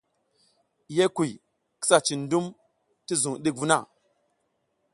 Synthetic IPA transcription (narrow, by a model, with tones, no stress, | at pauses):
je˦ku˨j | ki̥˦sa˨t͡ʃi˨ndu˦m | ti˦zu˨ŋ˨ɗi˦k̚vu˦na̰˦˨